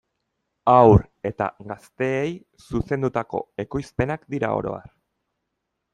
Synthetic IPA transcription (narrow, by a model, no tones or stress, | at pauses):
awɾ | e̞t̪a̰ɡast̪e̞ːj | suse̞nd̪ut̪ako̞e̞ko̞jspe̞nakd̪iɾa̰o̞̰ɾo̞̰a̰r